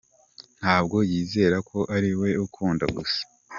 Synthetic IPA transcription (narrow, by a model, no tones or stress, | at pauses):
n̥haːb̚ɡo̞jiːze̞ɾakʰo̞ʔaɾiwe̞ukʰuːnda̰ɡusḁ